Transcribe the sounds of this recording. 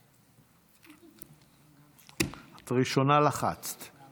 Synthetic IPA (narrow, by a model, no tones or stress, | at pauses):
hat̪ʁiʃonalaχa̰t͡st̪